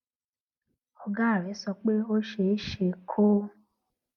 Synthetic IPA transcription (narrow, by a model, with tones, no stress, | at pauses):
ɔ˧ɡa˦˨le˨˦sɔ˧k͡pe˦o˦ʃe˨˦ʃe˨kʰo˦